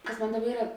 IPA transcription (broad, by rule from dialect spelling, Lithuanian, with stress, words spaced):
ˈkɐs ˈmoːn ˈdɑːˌbɐ ˈiːrɐ